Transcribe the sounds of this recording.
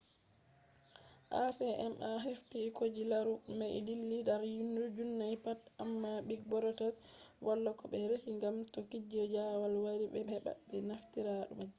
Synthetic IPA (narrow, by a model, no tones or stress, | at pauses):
ʔasɛʔɛmʔaɦeftikod͡ʒilaɾumɛlilːidaɾjundud͡ʒunːaipatʔamːaɓiɡ̚bɔɾɔtas | wʔalːɔkɔbɓɛɾesiŋɡamtokːid͡ʒɔd͡ʒawalwaɾiɓɛbɛɓa̰bɛnaftiɾaɗṵmad͡ʒː